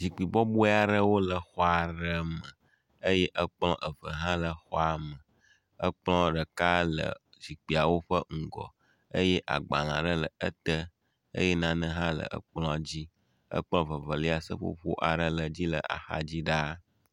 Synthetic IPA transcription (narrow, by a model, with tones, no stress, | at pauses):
zi˨k͡pi˨bɔ˦bu˦a˨ɖə˦wo˦lə˨xɔ˦a˨ɖə˦mə̃˨ | ə˦jɛ˦ʔə˦k͡plɔ̃˦ʔə˨və˨ɦã˦lə˨xɔ˦a˨mə˨ | ə˦k͡plɔ̃˦ɖə˨ka˦lə̰˨ | zi˨k͡pi˨a˨wo˦ɸə˦ŋ̩˨ɡɔ̰˨ | ə˦jɛ˦ʔa̰˨ɡ͡ba˨lã̰˨ɖə˦lə˨ə˦t̪ə˦ | ə̰˦je˦nã˦nə̃˦ɦã˦lə̰˨ʔə̰˦k͡plɔ̃˦˨d͡ʑi˦ | ə̰˦k͡plɔ̃˦və˨və˨li˦a˨sə̰˦ɸo̰˦ɸo̰˦ʔa˨ɖə˦lə˨d͡ʑi˦lə̰˨ʔa̰˨xa̰˨d͡ʑi˦ɖa˦